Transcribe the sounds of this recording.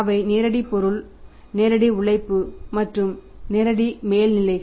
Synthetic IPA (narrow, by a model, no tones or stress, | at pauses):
ʋɐɪneːɾɐɽipɔɾɯɭ | neːɾɐɽiʊɭɐɪpːɯmɐʈrɯmneːɾɐɽimeːlnɪlɐɪ